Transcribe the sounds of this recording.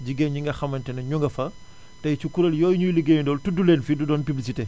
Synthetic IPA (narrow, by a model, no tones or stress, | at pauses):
d͡ʒiɡenɲiŋɡɐxɐmːɐntɛnɐɲuŋɡɐfɐ | tɐjt͡ʃukuɾɐljɔːjɲujuliɡeːɲundɔːltuduleːnfidudɔːnpiblis̬ite